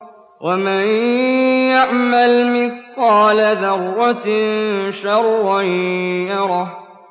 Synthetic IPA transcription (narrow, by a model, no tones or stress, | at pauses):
wʔamanjaʕmalmɪθqɑːlaðɑɾˤːɑ | ʃɑɾˤwajɑɾˤɑ